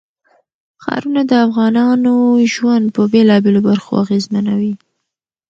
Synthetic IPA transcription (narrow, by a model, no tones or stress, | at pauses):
xɑ̰ɾunad̪əafɣɑnɑnoʒwand̪̚pəbelɑbelobaɾxo̰aɣezmanawi